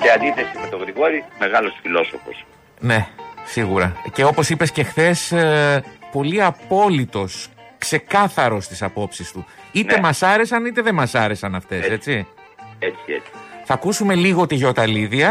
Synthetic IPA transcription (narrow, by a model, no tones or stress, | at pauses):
t̪eɐnd̪iθesimet̪o̞ɣɾiɣo̞ɾime̞ɣɐlo̞sfilo̞sofo̞̰s | ne̞siɣuɾɐce̞o̞po̞sipe̞sce̞xθe̞s | po̞liɐpo̞lit̪o̞s | kse̞kɐθɐɾo̞st̪i̥sɐpo̞psist̪u | itne̞mɐsɐɾe̞sɐnit̪e̞ðe̞mɐsɐɾe̞sɐnɐft̪e̞sse̞t͡si | et͡siet͡si̥θɐkusume̞liɣo̞t̪iʝo̞t̪ɐliðiɐ